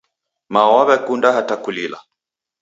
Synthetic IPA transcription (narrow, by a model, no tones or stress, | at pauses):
mawaβɛkundaɦatakulila̰